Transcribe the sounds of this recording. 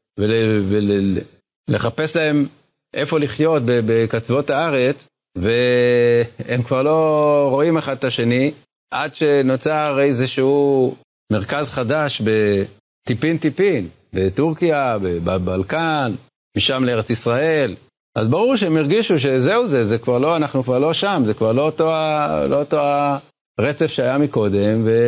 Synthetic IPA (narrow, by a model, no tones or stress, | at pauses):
velvele | le̞χape̞slae̞m | ʔe̞fo̞liχjo̞t̪̚bebekat͡svo̞t̪aaʁe̞t͡s | ve̞ | emkvaʁlo̞ʁo̞imeχad̪̚taʃe̞ni | ʔadʃe̞not͡saʁeezeʃeu | me̞ʁkazχad̪aʃbe̞ | t̪ipint̪ipin | be̞t̪uʁkijabebabalkan | miʃamleeet͡sisʁael | ʔazbaʁuʁʃeemiʁɡiʃuʃ̬e̞zeuzezekvaʁlo̞anaχnukvaʁlo̞ʃamzekvaʁlo̞ot̪oalo̞ot̪oa | ʁet͡sefʃeajamiko̞d̪e̞mve̞